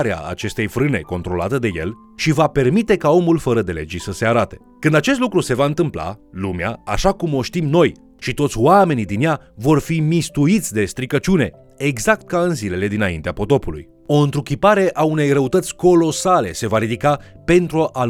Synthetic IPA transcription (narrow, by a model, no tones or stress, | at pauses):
ɾea̰a̰t͡ʃe̞st̪e̞jfɾɨne̞̰ko̞nt̪ɾo̞la̰t̪əd̪e̞je̞̰l | ʃivape̞rmit̪e̞kao̞mulfəɾəd̪e̞le̞̰d͡ʒisəse̞aɾat̪e̞̥ | kɨnd̪at͡ʃest̪lukɾuse̞vaɨnt̪ɨmpla̰lumea̰aʃakumo̞ʃt̪imno̞j | ʃit̪o̞t̪sʲwame̞nid̪inja | vo̞rfimist̪uit̪sʲd̪e̞st̪ɾikət͡ʃune̞ | eɡzakt̪̚kaɨnzile̞le̞d̪inaint̪eapo̞t̪o̞pulṵj | o̞ɨnt̪ɾukʲipaɾe̞ʔaune̞jrəut̪ət̪sʲko̞lo̞sale̞se̞vaɾid̪ika | pe̞nt̪ɾuʔa